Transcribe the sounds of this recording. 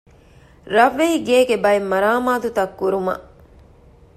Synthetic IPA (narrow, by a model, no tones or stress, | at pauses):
ɾɐʋːeɦiɡeːɡebɐemːɐɾaːmaːt̪ut̪ɐkːuɾumɐ̰ʔ